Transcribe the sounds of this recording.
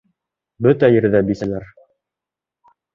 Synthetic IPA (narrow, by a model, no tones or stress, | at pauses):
bɵt̪æjɘ̆ɾðæbisælæɾ